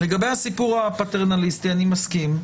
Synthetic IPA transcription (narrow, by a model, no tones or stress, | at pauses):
leɡabe̞jhasipuʁapateʁnalistianimaskim